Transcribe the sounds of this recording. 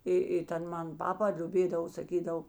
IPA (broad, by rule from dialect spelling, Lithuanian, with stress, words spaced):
ˈɪ ɪ ˈtʲɛn ˈmɐn ˈpɑːpɐ lʲʊˈbʲeːdɐʋoː sɐˈkʲiːdɐw